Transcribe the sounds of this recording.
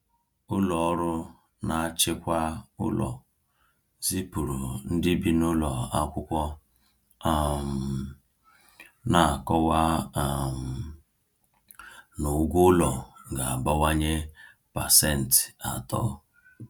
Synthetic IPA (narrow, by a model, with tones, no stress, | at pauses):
ʊ˦lɔ˨ɔ˦ɾʊ˦ | na˨˦t͡ʃɪ˦kʷa˦ʊ̰˦lʔɔ̰˨ | zi˦pu˨ɾu˨n̩˦dɪ˦bi˦nʊ˦lɔ˨a˦kʷʊ˦kʷɔ˦ | a˦m̩˨ | na˨a˨kɔ˦wa˦˨m̩˨ | nʊ˨˦ɡʷʊ˦lɔ˨ɡa˨a˨ba˦wa˦ɲe˦ | pa˨sɛ˦˨n̩˨tɪ̥˨a̰˨tɔ̰˦